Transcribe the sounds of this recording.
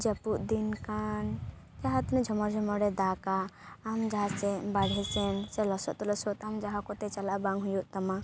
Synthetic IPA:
d͡ʒəpuʔd̪inkan | d͡ʒaɦat̪nɛd͡ʒʱɔmɔɾd͡ʒʱɔmɔɾɛd̪akaːmd͡ʒaɦat͡ʃɛbaɽ̤ʱɛsɛnt͡ʃɛlɔsɔt̪ɔlɔsɔt̪amd͡ʒaɦakɔt̪ɛt͡ʃalabaŋɦujuʔt̪ɔma

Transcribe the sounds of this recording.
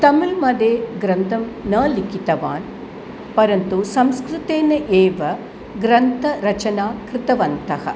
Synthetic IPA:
t̪ɐmulmɐd̪eːɡɾɐnd̪ʱɐmnɐːlikit̪ɐʋaːn | pɐɾɐnt̪usɐmskɾut̪eːnɐʔeːʋɐ | ɡɾɐnt̪ʰɐɾɐt͡ʃɐnaːkɾɪt̪ɐʋɐnt̪ɐɦɐ̰

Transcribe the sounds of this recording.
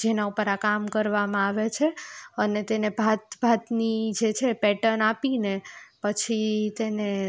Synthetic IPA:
d͡ʒenaupəɾakamkəɾʋamãaʋet͡ʃʰeənet̪enebʱat̪bʱat̪nid͡ʒet͡ʃʰepɛʈənapinepət͡ʃʰit̪ene

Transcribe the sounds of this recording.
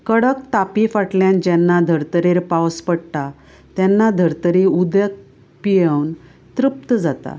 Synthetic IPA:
kəɽəkt̪apifaʈljãnd͡ʑɛnːad̪ʱəɾt̪əɾeɾpawspəɽʈ̪a | t̪jɛnːad̪ʱəɾt̪əɾiud̪jək̚ | pijəwn | t̪ɾup̚t̪əd͡zat̪a̰

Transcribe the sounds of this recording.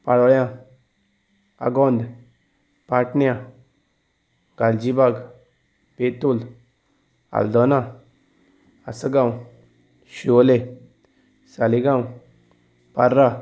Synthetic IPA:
paɽɔɭjã | a̰ɡɔnd̪ | paʈnjã | ɡ̥ald͡ʑibaɡ | pet̪ul | a̰ld̪ɔna | asəɡãw | ɕiɔle | saliɡaw | paɾːa

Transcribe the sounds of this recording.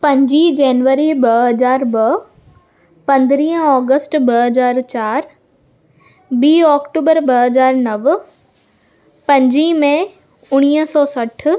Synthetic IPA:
pɐ̃ɲd͡ʑid͡ʑɛːnʋəɾibɐɦɐzaːɾbɐ | pɐ̃nd̪ɪɾĩːɦə̃ɔːɡəsʈbɐɦɐzaːɾt͡ɕaːɾ | biːɔːkʈuːbəɾbɐɦɐzaːɾnɐʋ | pɐ̃ɲd͡ʑimẽ | ʊɽ̃iːsɔːsɐʈ̆ʰ

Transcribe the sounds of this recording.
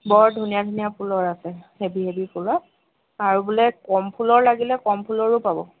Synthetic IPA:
bɔɹdʱunijadʱunijapʰulɔɹasɛhebiɦebipʰula | aɹubulɛkɔmpʰulɔɹlaɡilɛkɔmpʰulɔɹʊpabɔ̰

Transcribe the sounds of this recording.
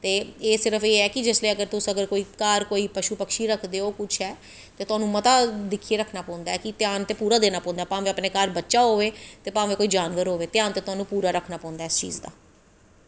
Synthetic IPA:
t̪eːeːsɪɾəfeːɛːkɪd͡ʒɪsleːəɡəɾt̪ʊsəɡəɾkoːiːkaːɾkoːiːpəʃupəkʃiːɾəkʰd̪eːoːkʊt͡ʃʰɦɛː | t̪eːt̪ʊɦaːnũːmət̪aːd̪ɪkʰːiːeːɾəkʰnaːpɔ̃ːʊ̃nd̪aɛːkɪt̪ɪjaːnt̪eːpuːɾaːd̪eːnaːpɔ̃ːnd̪aːpãːʋẽːəpneːkaːɾbətːʃaːɦoːʋeːt̪eːpãːʋẽːkoːiːd͡ʒaːnʋəɾɦoːʋeːt̪ɪjaːnt̪eːt̪ʊaːnũːpuːɾaːɾəkʰnaːpɔ̃ːnd̪aːɪst͡ʃḭːzd̪a̰ː

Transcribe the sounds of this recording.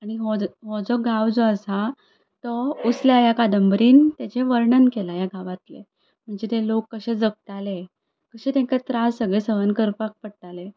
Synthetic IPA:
aɽ̃iɦɔɦɔd͡zɔɡʱawd͡zɔəsa | t̪ɔusljajakad̪əmbɾiːnt̪jat͡ɕeʋəɾɳənkelajaɡʱaʋat̪lḛ | m̤əɳd͡zet̪elokːəɕẽd͡zəɡ̚t̪ale | kəɕẽt̪ɛ̃kat̪ɾasːəɡɭesəʋənkəɾpak̚pəɽt̪ale

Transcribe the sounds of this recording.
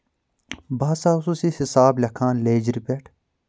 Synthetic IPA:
baːsaːsusihisaːblʲɐkʰãːnleːd͡ʒiɾipeʈʰ

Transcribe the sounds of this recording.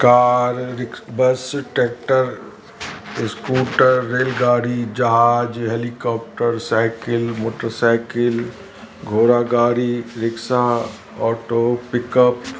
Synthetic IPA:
kaːɾɾɪkbəsʈeːk̚ʈəɾ | ɪskuːʈəɾːeːlɡaːɽid͡ʒɐɦaːd͡ʒɦeːlikɔːp̚ʈəɾsaɪkɪlmoːʈəɾsaɪkɪl | ɡʱoːɾaɡaːɾiɾɪksa | ɔːʈoːpɪkəp

